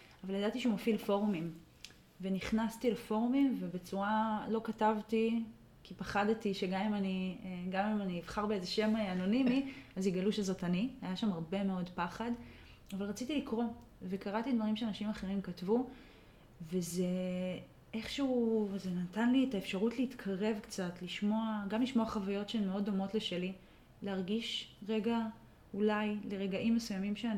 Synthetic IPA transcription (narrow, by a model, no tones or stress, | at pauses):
avaljadatiʃeumofilfo̞ʁumim | ve̞niχnastilefo̞ʁumimve̞be̞t͡suʁalo̞katavti | kʰipaχadtiʃeɡamimaniɡamimaniːvχaʁbeezeʃe̞meano̞nimiaziɡaluʃezo̞tanihajaʃamaʁbe̞me̞o̞dpaχad | avalʁat͡sitilikʁo̞ | ve̞kaʁatidvaʁimʃeanaʃimaχe̞ʁimkatvu | veze̞ | e̞χʃeuzenatanlietaefʃaʁutleitkʰaʁe̞vkt͡satliʃmo̞aɡamliʃmoaχavajo̞tʃeemeo̞do̞mo̞tleʃe̞li | leaʁɡiʃʁe̞ɡa | ulajle̞ʁe̞ɡaʔimːesujamimʃean